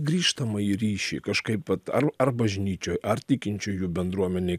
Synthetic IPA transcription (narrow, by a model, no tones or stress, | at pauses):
ɡɾʲiːʃt̪ɐmɐiɾʲiːʃʲḭːkɐʃkɐɪpɐt̪ɐrɐrbɐʒʲnʲiːt͡ʃʲoːjʔɐrt̪ʲɪkʲɪnʲt͡ʃʲʊjuːbʲɛnd̪ɾuɔmʲɛnʲeː